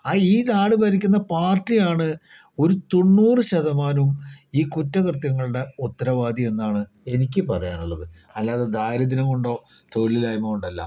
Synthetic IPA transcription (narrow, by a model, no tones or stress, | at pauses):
aːiːt̪aːɽɨbɐɾikʲːunːɐpaːrʈːijaːɳɨ | o̞ɾut̪o̞nːuːrɨɕɐðɐmaːnumiːkutːɐkrɨt̪jɐŋːɐɭuɽe̞ut̪ːɐɾɐʋaːd̪ʱie̞nːaːɳɨ | e̞nikʲːɨpɐrɐja̰ːnuɭːɐðɨɐlːaːðed̪ʱaːɾɐðinɐkoɳɖo̞ː | t̪o̞ɻlilaːjɐmːɐkuɳɖɐlːɐ̰